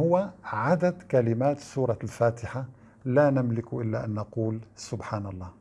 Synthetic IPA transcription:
hʊwːaʕad̪ad̪kalɪmaːt̪suːɾˤɑlfaːt̪ɪħa | laːnɪmlɪkuʔɪlːaʔanːaquːlsʊbħaːnɑlˤːɑː

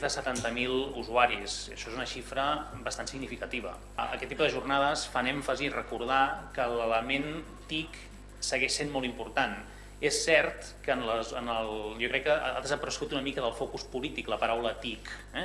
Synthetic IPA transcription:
ðəsət̪ant̪əmilˠuzuaɾisəʃɔezunəʃifɾəbəst̪ansiɡnifikət̪iβ̞ə̰ | ə̰kɛt̪ːipuðəʒurnaðəsfanɛɱfəzirəkuɾð̞akələləmen | t̪ik | səɣɛʃsenmɔlˠt̪impuɾt̪an | esːɛɾt̪ | kənləzənəlˠjokɾɛkːəaðəzəpəɾəsɣut̪unəmikəðəlˠfɔkuspulit̪ikləpəɾawlət̪ik | ɛ

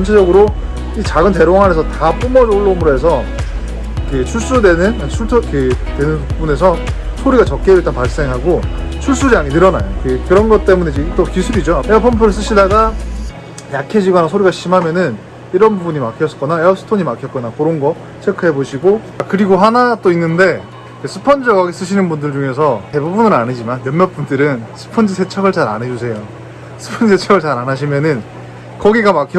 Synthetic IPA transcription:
ʌnt͡ɕʰed͡ʑʌɡɯɾo | it͡ɕaɡɯnt̬e̞ɾoŋɦaɾesʰʌtap͈umʌɾioɭːomɯɾoɦe̞s̬ʰʌ | ket͡ɕʰuɭs͈udwenɯn | t͡ɕʰuɭtʰkʰetwenɯnbune̞s̬ʰʌ | sʰoɾiɡat͡ɕʌk͈̚eit͈apaɭs͈e̞ŋɦaɡo | t͡ɕʰuɭs͈uɾjaŋinɯɾʌna̰jokekɯɾʌnɡʌt͈e̞muned͡ʑet͈okisʰuɾid͡ʑoeʌpʰʌmpʰɯɾɯs͈ɯɕʰidaɡa | jakʰe̞d͡ʑiɡʌnasʰoɾiɡaɕʰimɦamjʌnɯn | iɾʌnbubuɲimakʰjʌsk͈ʌnaeʌps͈ʰɯ̥tʰoɲimakʰjʌt̚k͈ʌnakoɾʌnɡʌ | t͡ɕʰekʰɯɦe̞boɕʰiɡo | akɯɾiɡoɦanat͈oinːɯnde̞ | kesʰɯpʰʌnd͡ʑiɡwaɡes͈ɯɕ̬ʰinɯnbundɯɭd͡ʑuŋe̞sʰʌte̞bubunɯɾanid͡ʑimanjʌmmjʌp͈undɯɾɯnsʰɯ̥pʰʌnd͡ʑisʰe̞t͡ɕʰʌɡɯɭt͡ɕaɾa̰ned͡ʑusʰe̞jo | sʰɯ̥pʰʌnd͡ʑisʰet͡ɕʰʌɡɯɭt͡ɕaɾanaɕʰimjʌnɯn | kʌɡiɡamakʰjʌ

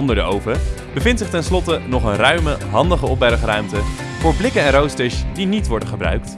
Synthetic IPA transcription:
ɔndəɹdəowvə | bəvɪntsɪχtɛnslɔtənɔχənrœɥməɦɑndəχəɔpɛɾəχrœɥmtə | v̥ʊːɹblɪkənɛnrowstɪsdinitʋɔɹdənχəbrœ̰ɥk̚t

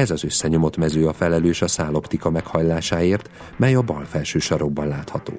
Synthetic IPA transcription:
ɛzɒzø̞sːɛɲo̞mo̞t̪mɛzøːɒfɛlɛløːʃɒsaːlo̞pt̪ikɒmɛkhɒjlaːʃaːeːrt̪ | mɛjɒbɒlfɛlʃøːʃɒɾo̞ɡ̚bɒnlaːt̪hɒt̪o̰ː

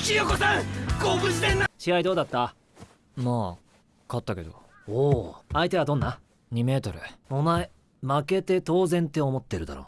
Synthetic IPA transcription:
kʲijokosakoːbɯst̪ẽnːaɕihaid̪o̞ːd̪at̪ːa | maː | kat̪ːake̞d̪o̰ | oːait̪e̞β̞ad̪õ̞nːa | ɲ̟ime̞ːt̪o̞ɾɯ̟omae | make̞t̪e̞t̪o̞ːzẽ̞nt̪e̞o̞mo̞t̪ːe̞ɾɯ̟d̪a̰ɾo̞̰ː

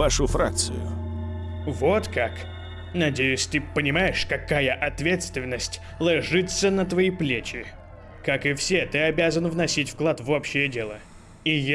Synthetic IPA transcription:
vaʂʊfɾa̰k̚t̪sɨ̰jʊ̰ | vot̪kak | nɐdʲejʊsʲt̪ɨpənʲɪmajɪʂkɐkajəʔɐt̪vʲe̞t̪st̪vʲɪnːəsʲtʲ | lˠɐʐɨt̪sənət̪vɐiplʲet͡ɕɪ | kakɨfsʲet̪ɨɐbʲazənvnɐsʲitʲfklˠat̪vo̞pɕːɪjədʲe̞lˠə | ij

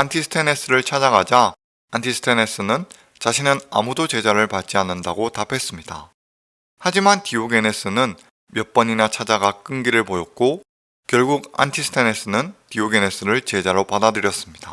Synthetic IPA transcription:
antʰisʰɯ̥tʰene̞s͈ɯɾɯɭt͡ɕʰad͡ʑaɡad͡ʑa | antʰisʰɯ̥tʰene̞s͈ɯnɯn | t͡ɕaɕʰinɯna̰mudot͡ɕe̞d͡ʑaɾɯɭpat͡ɕ͈ianːɯndaɡotapʰe̞s͈ɯmɲida̰ | had͡ʑimantiuɡe̞ne̞s͈ɯnɯn | mjʌp͈ʌɲinat͡ɕʰad͡ʑaɡak͈ɯŋɡiɾɯɭpojʌk̚k͈o | kjʌɭɡuɡa̰ntʰisʰɯ̥tʰene̞s͈ɯnɯntiuɡe̞ne̞s͈ɯɾɯɭt͡ɕe̞d͡ʑaɾopadadɯɾjʌs͈ɯmɲid̥a̰

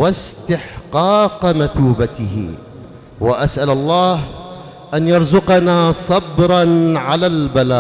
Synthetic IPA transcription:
wast̪ɪħqɑːqmaθuːbat̪ɪhɪ̰ | waʔasʔalɑlˤːɑːh | ʔanjɑɾˤzʊqɑnaːsˤɑbɾˤɑnʕalaːlbalaː

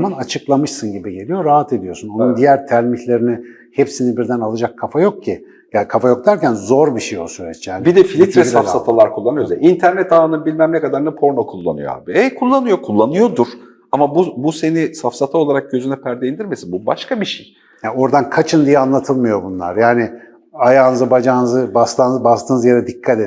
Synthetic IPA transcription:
manat͡ʃʰɯklˠamɯʃsɯnɟibiɟe̞lʲijo̞ɾaɦat̪ʰe̞d̪ijo̞sunonund̪ijæɾt̪ʰælʲmiçlʲe̞ɾinɪ | hepsinibiɾd̪ænalˠad͡ʒakʰːafajo̞k̚cʰi | jakʰafajo̞k̚d̪æɾcænzo̞ɾbiʃejosyɾɛt͡ʃːjaːnbid̪ɛfilʲit̪ɾɛsafsat̪ʰalˠaɾkʰulˠːanɯjozɛint̪ʰæɾnɛt̪anɯnbilʲmæmnɛkad̪aɾnɛpʰo̞ɾmakʰulˠːa̰nɯjo̰a̰ːbiɛjkʰulˠːanɯjo̞kʰulˠːanɯjo̞d̪uɾ̥ | amabubuse̞nisafsat̪ʰao̞lˠaɾak̚ɟø̞zynɛpʰæɾd̪eind̪iɾmesinbuba̰ʃkabiʃej | hao̞ɾd̪ankʰat͡ʃʰɯnd̪ijɛanlˠat̪ʰɯlˠmɯjo̞bunlˠa̰ɾjaːnɪ | ajaːnɯzɯbad͡ʒaːnɯzɯbast̪ʰanzbast̪ʰɯːnɯzjad̪ɛd̪ikʰːat̪e

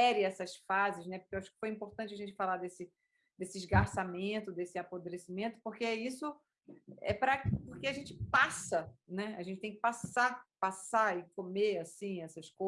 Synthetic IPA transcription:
ɛɾɪɛsɐsfazɪʃnɛpokewaʃʊ̥kɪ̥fojĩpoɾt̪ɐ̃nt͡ʃɪɐʒẽnt͡ʃɪfalad̪esɪ | d̪esɪːʒɡaɾsamẽnt̪ʊd̪esɪapod̪ɾesimẽnt̪ʊ̥poɾkeɛisʊ | ɛ̰pɾɐkɪpoχkeaʒẽnt͡ʃɪ̥pasɐnɛa̰ʒẽnt͡ʃɪ̥t̪ẽj̃kɪpasapasaɪkomeasĩɛsɐsko

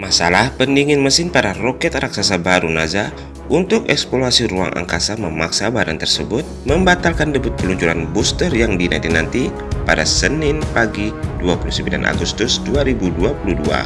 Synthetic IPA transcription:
masalahpəniŋɪnməsɪnpadarokɛt̪ɾaksasabaɾunaza | ʔunt̪ʊk̚ɛkspolasiɾua̰ŋʔa̰ŋkasaməmaksabadant̪ərsəbʊt̪̚məmbat̪alkandəbʊt̪̚pəluɲt͡ʃuɾanbust̪ərjaŋdina̰nt̪inant̪i | padasənɪnpaɡiduapulusəmbila̰nʔa̰ɡust̪ʊsduaɾibuduapuludua̰

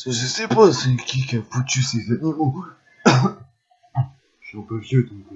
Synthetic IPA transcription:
səʒəsɛpasəkʲikʲiafut̪ysezanimo | ʃiɛ̃pøvjød̪ɔ̃k

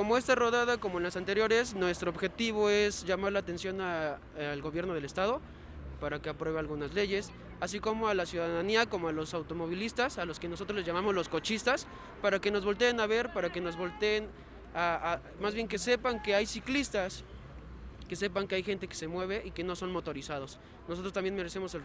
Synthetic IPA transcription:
ko̞mo̞e̞st̪aro̞ðaðakomoenlasant̪e̞ɾjo̞ɾe̞snwe̞st̪ɾooːβxe̞t̪iβ̞o̞ezʝamaɾlaːt̪e̞nsjo̞na | lɣo̞βjeɾno̞ð̞e̞le̞st̪að̞o̞ | paɾake̞apɾwe̞β̞ealɣunazle̞ʝe̞s | asiko̞mo̞alasjuðaðaniako̞moalo̞sawt̪o̞mo̞β̞ilist̪asalo̞ske̞no̞so̞t̪ɾoleʝjamamo̞zlo̞sko̞t͡ʃist̪as | paɾake̞no̞zβo̞lt̪e̞ːnaβe̞ɾpaɾake̞no̞zβo̞lt̪eːn | aa | mazβje̞ŋke̞se̞paŋke̞ajsiklist̪as | ke̞se̞paŋkeajxe̞nt̪e̞kese̞mwe̞β̞e̞ʔike̞no̞so̞nmo̞t̪o̞ɾisað̞o̞s | noso̞t̪ɾotambje̞nme̞ɾe̞se̞mo̞se

